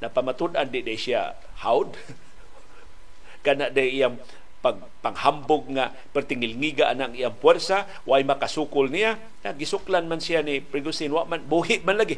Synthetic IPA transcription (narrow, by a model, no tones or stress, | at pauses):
napamat̪ud̪ʔand̪ɪʔd̪ajsia̰ | hawd̪̚ | kanaʔdajʔijaŋ | paɡ̚paŋhambʊɡ̚ŋa | pərt̪ɪŋɪlŋiɡaʔanaːŋijaŋpwɛrsa | wajmakasukʊlnija | ŋaɡɪsʊklanmansianipɾɪɡusɪnwaʔmanbuɦɪʔmanlaɡɪ